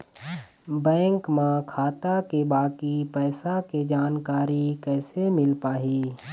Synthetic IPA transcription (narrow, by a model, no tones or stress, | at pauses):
bɛ̃ːŋkmãkʰaːt̪akebaːkipɛːsaked͡ʒaːnkaːɾikɛːsemɪlpaːɦiː